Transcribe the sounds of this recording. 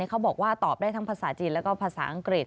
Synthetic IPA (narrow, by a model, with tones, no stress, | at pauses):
iː˦˥kʰa˦˥wbɔː˨˩k̚waː˥˩t̪ɔː˨˩p̚daː˥˩jt̪ʰa˦˥ŋpʰaː˧saː˩˦t͡ɕiː˧lɛ˦˥wkɔː˥˩pʰaː˧sa̰ː˩˦ʔa˧ŋkɾi˨˩t̪̚